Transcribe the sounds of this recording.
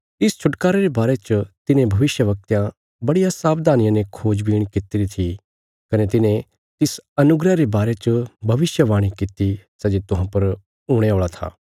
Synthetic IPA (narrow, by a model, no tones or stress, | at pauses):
ɪst͡ʃʰʊʈkaːɾeɾebaːɾet͡ʃət̪ɪnẽbʱɐʋɪʃjəʋɐk̚t̪jã | bɐɽijasaːbd̪ʱaːnɪjãnekʰoːd͡ʒbiːɽ̃kɪt̪iɾit̪ʰi | kɐnet̪̬ɪnẽ | t̪ɪsɐnʊɡɾaɾebaːɾet͡ʃəbʱɐʋɪʃjəʋaːɽ̃ikɪt̪isɛd͡ʒet̪ʊɦãpɐɾ | ʊːɽ̃eoːɭat̪ʰa̰ː